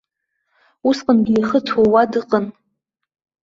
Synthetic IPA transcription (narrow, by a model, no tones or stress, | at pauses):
usqʼənɡʲiiχət͡sʰowadɨqʼən